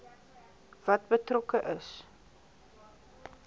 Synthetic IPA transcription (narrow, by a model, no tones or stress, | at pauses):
v̥ɐt̚bətrɔkəʔəs